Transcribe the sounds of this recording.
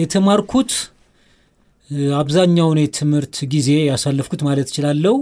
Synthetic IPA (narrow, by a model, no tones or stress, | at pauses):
jɛt̪ʰəmaɾkʰut̪ | aβzaɲːawnɛt̪ʰɨmhɨɾt̪ɡize̞jasalːɨfkʰut̪malət̪jɪ̥t͡ʃɪlalːəh